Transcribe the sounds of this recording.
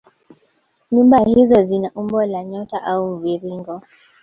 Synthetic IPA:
ɲumbahizɔzinaʔumbɔlaɲɔtaʔaum̩viɾiŋɡɔ

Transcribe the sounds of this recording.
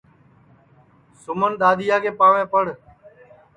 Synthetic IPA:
sʊmənɗ̪aːd̪ɪjaːkʰeːpaːʋẽːpəɽ

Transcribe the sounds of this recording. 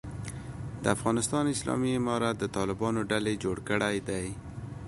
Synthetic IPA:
d̪əafɣɑnɪst̪ɑnɪslɑ̰miɪmɑɾat̪̚d̪ət̪ɑlɪbɑnoɖaled͡ʒoɽkəɽajd̪aj

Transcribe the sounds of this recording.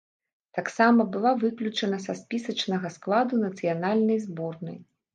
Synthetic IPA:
t̪aksamɐbɨlˠavɨklʲut͡ʂɐnɐsaspʲisɐt͡ʂnɐɣɐsklˠad̪unɐt̪sɨjanalʲnɐjzbɔrnɐ̰j

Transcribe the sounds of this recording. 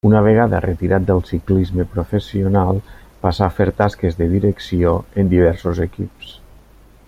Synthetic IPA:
unəβ̞əɣ̞aðə̰rət̪iɾʔat̪̚d̪əlˠsiklizməpɾofesionalˠpasafeɾt̪askezðəðiɾəksioənd̪iβ̞ɛɾsozekips

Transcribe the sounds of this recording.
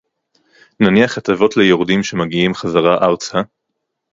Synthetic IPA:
naniaχatavo̞tlejoʁdimʃe̞maɡiimχazaʁaʔawt͡sha

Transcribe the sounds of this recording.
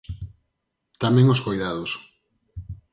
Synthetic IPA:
t̪amɛ̃ŋoskojðaðʊs

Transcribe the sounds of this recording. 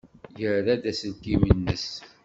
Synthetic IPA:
jəɾðæd̪æsənkimənːəs

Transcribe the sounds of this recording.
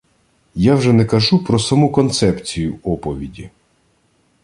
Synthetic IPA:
jawʒɛnɛkɐʒupɾɔsɐmukɔnt̪sɛpt͡sʲijʊɔpɔʋʲidʲi

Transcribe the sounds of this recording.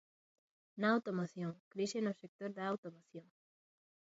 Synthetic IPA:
naːwt̪omoθjoŋkɾiʃenosek̚t̪oɾðaawt̪omoθjoŋ

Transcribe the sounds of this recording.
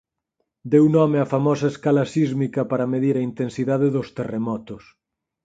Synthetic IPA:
d̪ewnɔmeafamɔsɐeskalasizmikɐpaɾɐmeðiɾɐint̪ensiðaðeðʊst̪eremɔt̪os

